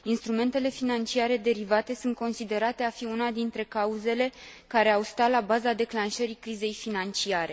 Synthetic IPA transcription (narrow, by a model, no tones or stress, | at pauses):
inst̪ɾume̞nt̪e̞le̞finant͡ʃiaɾe̞d̪e̞ɾivat̪e̞sunt̪̚ko̞nsid̪e̞ɾat̪e̞afiunad̪int̪ɾe̞kauze̞le̞ | kaɾe̞awst̪alabazad̪e̞klanʃəɾikɾize̞jfinant͡ʃiaɾʔe̞